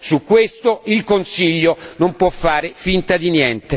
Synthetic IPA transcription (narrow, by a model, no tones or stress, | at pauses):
sukːwest̪oilkonsiʎːonompwɔfːaːɾefint̪ad̪injɛnt̪e